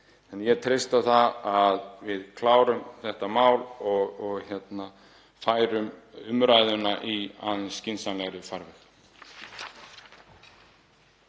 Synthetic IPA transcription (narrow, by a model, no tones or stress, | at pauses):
ɛnjɛt̪ʰɾejst̪aθaaðvɪðkʰlaːwɾʏmθɛht̪amaːwlɔɣɔɣçjɛt̪na | faːjɾʏmʏmɾaːjðʏnaʔia̰ːðɪnscɪnsalɛɣɾʏfaɾvɪx